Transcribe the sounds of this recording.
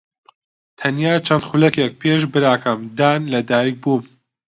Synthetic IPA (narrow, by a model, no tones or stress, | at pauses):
t̪ʰɐnjaːt͡ʃʰɐnd̪xulɐkjɐk̚pʰeːʃ̬bɨɾaːkʰɐmd̪aːnlɐd̪aːjik̚buːm